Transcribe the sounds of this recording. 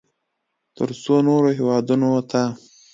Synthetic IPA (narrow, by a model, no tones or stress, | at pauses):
t̪əɾsonoɾoɦewɑd̪unot̪ʰa